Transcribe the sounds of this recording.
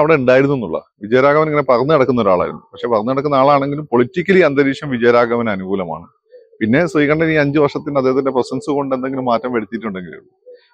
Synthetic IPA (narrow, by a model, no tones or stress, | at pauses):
ɐʋiɽeuɳɖaːjiɾunuenːuɭːɐ̰ | ʋid͡ʑɐjɐɾaːɣɐʋɐneŋːɐne̞pɐrɐnːɨɐɽɐkːunːɐo̞ɾa̰ːɭa̰ːjɾṵnːupɐkʂe̞ːpɐrɐnːɨɐɽɐkːunːɐaːɭaːɳe̞ŋɡilumpoɭitːikʲːɐliɐnd̪ɐɾiːʂjɐmʋid͡ʑɐjɐɾaːɡɐʋɐnɐnuɡuːlɐma̰ːɳɨ | pinːe̞sriːkɐɳɖɐiːɐɲd͡ʑɨʋɐrʂɐt̪ːinɐðeːɐðindeprɐsɐnsɨko̞ɳɖend̪e̞ŋɡilumːaːtːɐmʋeɽit̪ːiʈːuɳɖe̞ŋɡḭlṵ